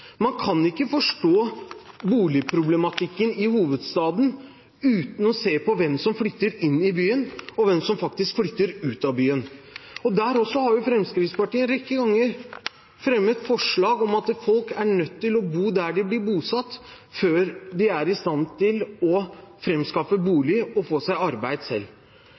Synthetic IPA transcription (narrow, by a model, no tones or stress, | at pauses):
mɑnkʰɑnɪkːəfɔʂʈoːbuːlɪpʰɾʊblɛmɑt̪ʰɪkːənɪhuːʋəd̪st̪ɑːd̪n̩ | ʉːt̪n̩ɔseːpɔʋɛmsɔmflʏt̪ːəɾɪnːɪbyːənɔʋɛmsɔmfɑk̚t̪ɪskflʏt̪ːəɾʉːt̪ɑbyːənɔd̪æːɾɔsːɔhɑɾjʊfɾɛmskɾɪt̪spɑʈiːənɾɛkːəɡɑŋːəɾ | fɾɛmːət̪fɔʂɭɑːɡɔmɑt̪fɔlkæɳœt̪ʰːɪlɔbuːd̪æɖɪblɪɾbuːsɑt̪ː | føːɾd̪ɪæɾɪst̪ɑnt̪ʰɪlɔfɾɛmskɑfəbuːlɪɔfoːsæɪɑɾbæɪd̪sɛ̰lː